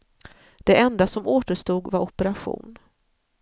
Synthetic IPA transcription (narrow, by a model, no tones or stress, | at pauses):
d̪̥ɛʔɛnd̪asɔmoːt̪əʂt̪uːɡvaɾɔpəɾaɧṵːn